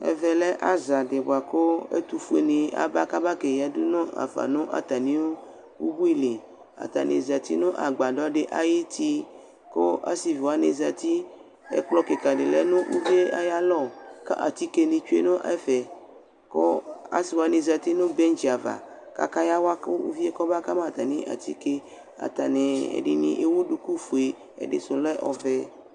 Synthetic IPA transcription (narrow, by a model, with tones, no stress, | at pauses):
ḛ˦vɛ˨lɛ˦ʔa˦za˨de˨bo˨a˨ko˦ḛ˦t̪u˨fe˨nẽ˨a̰˨ba˦ka˦ba˦ke˨ja˨du˦nɔ̃˦a̰˨fa̰˨nõ˦ʔa̰˨t̪a˨nĩ˦wo˦ | wṵ˦bu˦i˦le˨ | a̰˨t̪a̰˨nḛ˨za˨t̪ḭ˦nõ˦ʔa˨ɡ͡ba˨ɖɔ˦ɖe˨ʔa˨ji˦t̪i˦ | ko˦ʔa̰˦si˨vi˨wa˦ne˨za˨t̪i˦ | ḛ˦k͡plɔ˦ke˨ka˨ɖe˨lɛ˦nõ˦ʔṵ˦vi˦e˦a˦ja˦lɔ˦˨ka̰˦ʔa̰˨t̪i˦ke˦nĩ˨t͡ʃu˦e˦nõ˦ʔɛ˦fɛ˨ | ko˦a̰˦si˨wa˦nẽ˨za˨t̪i˦nõ˦bɛ˦n˦d͡ʒi˨a˨va̰˨ | ka̰˦ka˦ja˦wa˦ko˦ṵ˦vi˦ɛ˦kɔ˦ba˦ka˦mã˨t̪a˨nẽ˦ʔa̰˨t̪i˦ke˦ | a̰˨t̪a˨ne˨ḛ˨ɖe˨nḭ̃˨ʔe˨˦wu˦ɖu˨ku˦fu˨e˨ | ḛ˨ɖḛ˨so˨lɛ˦ʔɔ˨vɛ˦